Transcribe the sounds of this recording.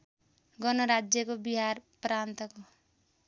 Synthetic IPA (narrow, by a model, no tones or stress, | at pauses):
ɡʌnʌɾad͡zjʌkobiɦarpɾant̪ʌko